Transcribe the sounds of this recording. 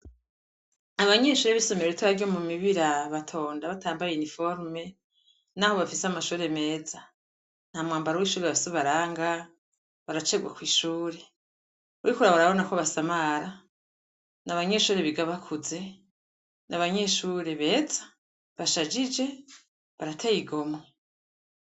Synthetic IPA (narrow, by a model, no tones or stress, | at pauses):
aβaɲe̞ʃuːɾe̞βiso̞meewetuβaɾɟo̞mumiβiɾaβatʰo̞ːndaβatʰaːmbajeunifo̞ɾme̞ | naho̞βafiseamaʃuːɾe̞me̞ːza | n̥hamŋaːmbaɾowiʃuːɾeβafiseβaɾaːŋɡa | βaɾat͡ʃe̞ɡwa̰kwiːʃuːɾe̞ | uɾikuɾaβaɾaβo̞nakoβasamaɾa | naβaɲe̞ʃuːɾe̞βiɡaβakʰuze̞ | nʔaβaɲe̞ʃuːɾe̞βe̞ːzḁ | βaʃad͡ʒid͡ʒe̞ | βaɾatʰajiɡo̞me